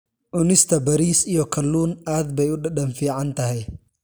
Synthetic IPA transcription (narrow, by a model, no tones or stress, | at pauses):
ʔʊnɪst̪ʰɐbɐɾiːsijɔkʰɐlːuːnʔaːd̪bɛjʊɗɐɗɐnfiːʕant̪ʰɐɦɛj